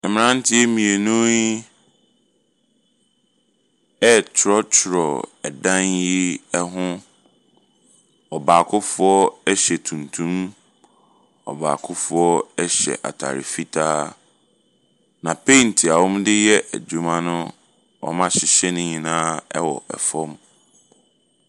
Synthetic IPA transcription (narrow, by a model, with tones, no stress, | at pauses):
mɪ̃˨nã˦n˦tʰɪ˦ɛ˦mĩ˨e˨nũ˦ɲi˦ | ɛ˦t͡ɕʰɪ˨ɾɔ˦t͡ɕʰɪ˨ɾɔ˨ɛ˨dã˦nji˦ɛ˦ɦʊ̃˦ | ɔ˨baː˨kʰʊ˦fʊ˦ɔ˦ɛ˦ɕɛ˨tʰũ˨ntʰũ˦m | ɔ̰˨ba̰ː˨kʰʊ˦fʊ˨˦ɔ˦ɛ˦ɕɛ̰˨ʔa̰˨tʰa̰˨ɾɪ̰˨fi˦tʰaː˦ | nã˨pʰẽ˦˨ntʰi˨a˨wɔ̃˦mdɪ˦jɛ˦ʔæ̰˨d͡ʑu˨mã˦nʊ̃˦ | ɔ̰˨mã˦ɕɪ˨ɕɛ˦nʊ̃˨ɲĩ˨nãː˦ɛ˦wɔ̰˨ʔɛ̰˨fɔ̃˦m